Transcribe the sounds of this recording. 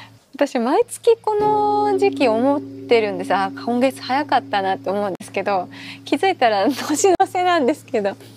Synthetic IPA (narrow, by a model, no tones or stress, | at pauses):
βat̪aɕimait͡sɨ̥kʲiko̞no̞ʑikʲiomo̞t̪ːe̞ɾɯ̟̃nd̪e̞sɨakʰõ̞ŋɡe̞t͡sɨ̥hajakat̪ːanat̪ːe̞omo̞ɯ̟̃nd̪e̞sɨ̥ke̞d̪o̞kʲizɨit̪aɾad̪oːɕinose̞nãnd̪e̞sɨ̥ke̞d̪o̞